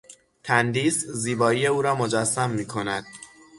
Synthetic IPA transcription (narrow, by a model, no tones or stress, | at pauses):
t̪ʰænd̪iːsziːbɒːije̞uːɾɒːmo̞d͡ʒæsːæmːiːkʰo̞næd̪̥